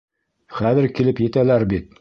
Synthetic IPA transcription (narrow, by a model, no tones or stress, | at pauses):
χæðɘɾkilɘpjɘ̆t̪ælæɾbit̪